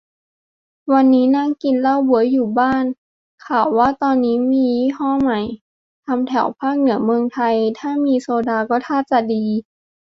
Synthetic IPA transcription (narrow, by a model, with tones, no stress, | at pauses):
wa˧nːiː˦˥naː˥˩˨ŋki˧nla˧˥˩wbu˨˩˦əjuː˨˩baː˥˩˨n | kʰaː˨˩wːaː˥˩t̪ɔː˧nːiː˦˥miː˧˦hɔː˥˩˨ma˨˩j | t̪ʰa˧mt̪ʰɛ˨˩˦wpʰaː˥˩k̚nɯ˩˦əmɯ˧əŋt̪ʰa˧jt̪ʰaː˥˩miː˧soː˧daː˧kɔː˥˩t̪ʰaː˥˩t̪̚t͡ɕa˨˩diː˧